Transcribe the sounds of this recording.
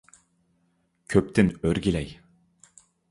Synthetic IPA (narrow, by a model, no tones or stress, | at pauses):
kʲʰøp̚t̪ɪnøɾɡʲilæj